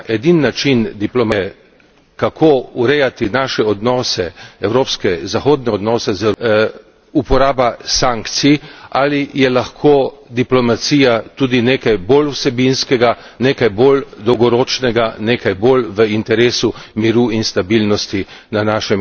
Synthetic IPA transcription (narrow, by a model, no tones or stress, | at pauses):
ʔɛd̪inːat͡ʃind̪iplɔma | kakʰouɾɛjat̪inaʃɛɔd̪nɔːsɛɛwɾoːpskɛzaxoːd̪nɛɔd̪nɔːsɛzə | upɔɾaːbasaŋkt̪sialijɛlaxkʰoːd̪iplɔmat̪siːjat̪uːd̪ineːkajboluwsɛbinskɛɡa | neːkajboːld̪ɔwɡɔɾoːt͡ʃnɛɡaneːkajboːlʋəint̪ɛɾeːsumiɾuinst̪abilnɔst̪inanaːʃɛm